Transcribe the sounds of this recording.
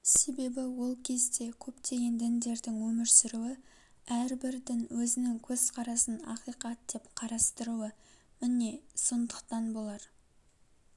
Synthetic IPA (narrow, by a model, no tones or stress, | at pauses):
se̞be̞bɪwo̞lˠkʲʰe̞zd̪e̞kʲʰɵpt̪ʰe̞ɡʲe̞nd̪ɪnd̪e̞ɾd̪ɪŋwɵmɪɾsɪɾuwɪ | æɾbɪɾd̪ɪnwɵzɪnɪŋkʲʰɵz̥qʰɑɾɑsənɑ̰qijqɑt̪̚d̪̥e̞pqʰɑɾɑst̪əɾuəmɪne̞so̞nd̪əqt̪ɑnbo̞lˠɑɾ